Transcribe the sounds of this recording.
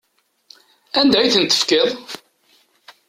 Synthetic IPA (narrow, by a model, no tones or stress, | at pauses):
ænd̪æjθənt̪ːə̥fkɪðˤ